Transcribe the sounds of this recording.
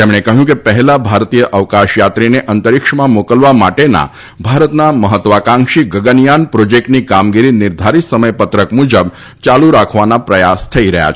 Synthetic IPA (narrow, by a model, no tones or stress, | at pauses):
t̪emɽ̃ekəɦjũkepəɦɛlabʱaɾt̪ijəʔəʋkaʃjat̪ɾineʔənt̪əɾikʂəmãmokəlʋamaʈena̰ | bʱaɾət̪naməɦət̪ːʋakãŋʃiɡəɡənijanpɾod͡ʒek̚ʈnikamɡiɾinɪɾd̪ʱaɾit̪səməjpət̪ɾəkmud͡ʒəb | t͡ʃaluɾakʰʋanapɾəjast̪ʰəiɾəɦja̰t͡ʃʰ